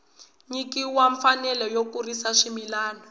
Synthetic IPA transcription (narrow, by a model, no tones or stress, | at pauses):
ɲikiwaɱfanɛlɛjokurisaʂimilaːnɔ